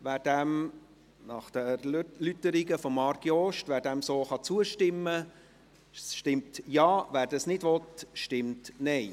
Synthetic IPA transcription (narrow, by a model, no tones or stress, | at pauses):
ʋæːɾd̥æm | nɑχd̥əɾlytːəɾɪɡəfɔmɑɾɡ̥iɔːʃtʋæːɾdæmsoːχɑt͡suəʃtɪmːə | ʃtɪmtjɑːʋæːɾdɑsnɪdʋɔtʃtɪmtnɛɪ